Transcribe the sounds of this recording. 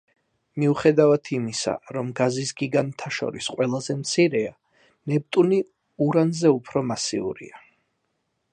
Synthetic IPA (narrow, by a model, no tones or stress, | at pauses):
miuχɛd̪avat̪ʰimisa̰ɾɔmɡazisɡiɡant̪ʰaʃɔ̰ɾisqʼwɛlˠazɛmt̪sʰiɾɛa | nɛb̚t̪ʼuni | uɾanzɛupʰɾɔmasḭṵɾḭa